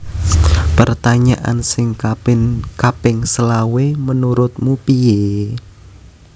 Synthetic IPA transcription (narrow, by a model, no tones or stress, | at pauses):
pərt̪aɲaʔa̰nsɪŋkapɪkapɪŋsəlawemənuɾʊt̪̚mupije